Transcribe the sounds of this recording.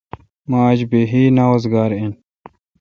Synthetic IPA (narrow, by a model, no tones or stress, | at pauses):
maːd͡ʑbeɦiːnawozɡaːɾen